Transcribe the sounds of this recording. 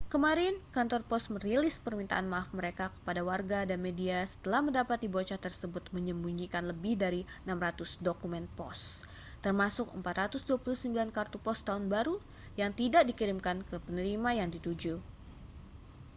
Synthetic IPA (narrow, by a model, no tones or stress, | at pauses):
kəmaɾɪnkant̪ɔrpɔsməɾilɪspərmint̪a̰ʔanmaːfməɾekakə̥padawarɡadanmediasə̥t̪əlahməndapat̪̚dibot͡ʃat̪ərsəbʊt̪̚məɲəmbuɲikanləbɪhdaɾiənamrat̪ʊsdokumɛnpɔs | t̪ərmasʊkəmpat̪rat̪ʊsduapuluhsəmbilankart̪upɔst̪aunbaɾu | jaŋt̪idaʔdikiɾɪmkankəpənəɾimajaŋdit̪ud͡ʒu